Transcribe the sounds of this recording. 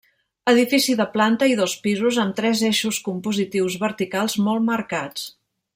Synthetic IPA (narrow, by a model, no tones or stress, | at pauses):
əðifisiðəplant̪əiðɔspizuzəmt̪ɾɛzeʃuskumpuzit̪iwzβəɾt̪ikalˠzmɔlˠməɾkat͡s